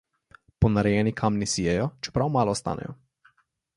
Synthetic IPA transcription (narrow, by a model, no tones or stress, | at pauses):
pɔnaɾɛjɛːnikʰamnisijɛjɔt͡ʃɛ̥pɾawmaːlɔːst̪a̰ːnɛ̰jɔ̰